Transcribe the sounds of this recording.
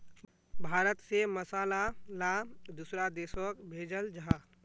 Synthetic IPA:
bʱaːɾət̪seməsaːlalad̪usɾad̪eːsəkbʱeːd͡ʒəld͡ʒəɦãː

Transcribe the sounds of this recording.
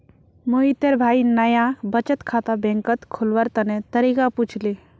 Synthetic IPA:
moit̪əɾbʱaːinəjabət͡ʃət̪kʰat̪abẽŋkət̪kʰolʋəɾt̪ɐnẽt̪əɾikaput͡ʃʰli

